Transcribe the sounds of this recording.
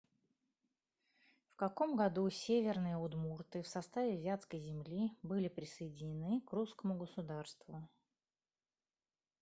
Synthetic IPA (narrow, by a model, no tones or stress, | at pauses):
fkɐko̞mɡɐd̪usʲevʲɪrnɨjəʊd̪murt̪ɨfsɐst̪avʲɪzʲat̪skəjzʲɪmlʲibɨlʲɪpɾʲɪsəjɪdʲɪnʲɪnɨkruskəmʊɡəsʊd̪arst̪vʊ